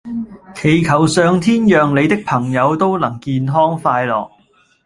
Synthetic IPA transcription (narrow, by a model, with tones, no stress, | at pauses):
kʰe˨˩jkʰɐ˨˩wsœː˨˧ŋt̪ʰiː˥njœː˨ŋle˨˧jt̪ɪ˥k̚pʰɐ˨˩ŋjɐ˨˧wt̪o˥wlɐ˨˩ŋkiː˧nɦɔː˥ŋfaː˧jlɔ̰ː˨˩k̚